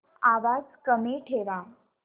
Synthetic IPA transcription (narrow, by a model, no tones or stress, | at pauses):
aʋad͡zkəmeʈʰeʋa